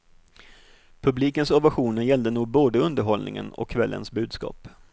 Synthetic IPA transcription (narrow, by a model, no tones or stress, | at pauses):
pʰɵbliːkənsɔvaɧuːnənjɛld̪ənuːɡ̚boːd̪əɵnd̪əɾɦɔlnɪ̰ŋə̰nɔ̰kʰːvɛlːʔə̰nsbʉ̟ːd̪skɑ̰ːp